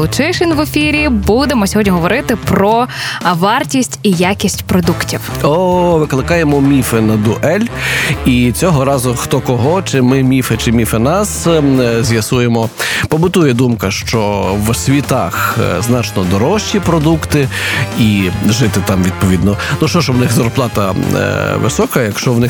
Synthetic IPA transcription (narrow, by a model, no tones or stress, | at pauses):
ʊt͡ʃɪʃɪnʋefʲiɾʲibud̪emɔsʲɔɦɔdʲnʲiɦɔʋɔɾɪt̪ɪpɾɔʋɑrtʲisʲtʲijakʲisʲtʲpɾɔd̪uktʲiwɔʋɪklˠɪkɑjemɔmʲifɛnɐd̪uʔɛlʲit͡sʲɔɦɔɾɑzʊxt̪ɔkɔɦɔt͡ʃɪmɪmʲifɛt͡ʃɪmʲifɛnɑszʲjɐsujemɔpɔbʊt̪ujɛd̪umkɐʃt͡ʃɔʋsʲʋʲit̪ɑxznɑt͡ʃnɔd̪ɔɾɔʃt͡ʃːipɾɔd̪ukt̪ɪiʒɪt̪ɪt̪ɑmʋʲid̪̚pɔʋʲid̪nɔnuʃt͡ʃɔʃwnɪxzɐrplˠɑt̪ɐ | ʋɪ̰sɔkɐjɐkʃt͡ʃɔʋnɪx